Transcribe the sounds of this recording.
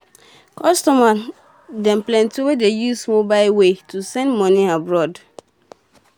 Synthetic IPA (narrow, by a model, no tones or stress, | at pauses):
kʰɔstɔma | dɛ̃mplɛ̃ntiwedejusmobaɪlwetʰusɛ̃ndmɔ̃niabɹɔd